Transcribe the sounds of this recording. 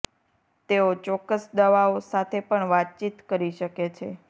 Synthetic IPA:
t̪eot͡ʃɔkːəsd̪əʋaosat̪ʰepəɳʋat̪̚t͡ʃit̪kəɾiʃəket͡ʃʰe

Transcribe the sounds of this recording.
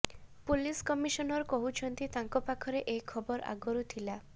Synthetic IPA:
puliskɔmiʃɔnɔɾkɔɦut͡ʃʰɔnt̪it̪aŋkɔpakʰɔɾeʔejkʰɔbɔɾa̰ɡɔɾut̪ʰila

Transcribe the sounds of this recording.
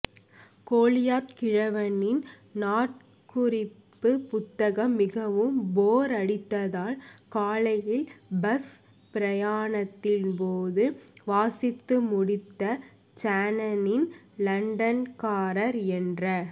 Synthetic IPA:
koːlɪjaːt̪kɪɻɐʋɐnɪn | naːʈ | kʊɾɪpːɯpʊt̪ːɐɣɐmːɪɣɐʋɯmboːɾɐɽɪt̪ːɐðaːlkaːlɐjɪlbɐs | pɪɾɐjaːɳɐt̪ːɪlpoːðɯʋaːsɪt̪ːɯmʊɽɪt̪ːɐ | t͡ʃaːnɐnɪnlɐɳɖɐnkaːɾɐɾɛndrɐ

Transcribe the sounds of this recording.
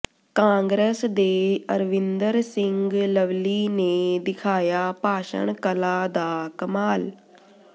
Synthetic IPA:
kãːŋɡɾesd̪eːəɾʋɪnd̪əɾsɪŋɡləʋliːneːd̪ɪkʰaːjaːpaːʃə̰ɳkəlaːd̪aːkəmaːl

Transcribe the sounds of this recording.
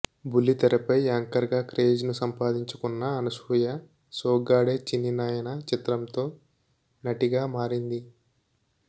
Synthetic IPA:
bulːit̪ɐɾɐpɐjaːŋkɐɾɡaːkɾe̞ːd͡ʒnusɐmpaːd̪iɲt͡ʃukunːɐːnɐsujɐ | soːɡaːɽeːt͡ʃinːinaːjɐnɐt͡ʃit̪ɾɐmt̪oː | nɐʈiɡaːmaːɾind̪i

